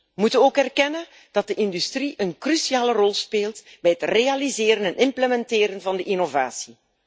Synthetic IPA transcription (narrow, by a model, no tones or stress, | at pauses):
ʋəmutənoːkɛrkɛnən | d̥ɑt̚dəʔɪndystriʔənkrysiaːlərɔlˠspeːlˠtbɛjɦətrealizeːɾənɛnʔɪmpləmɛnteːɾənvɑndəʔinovaːsi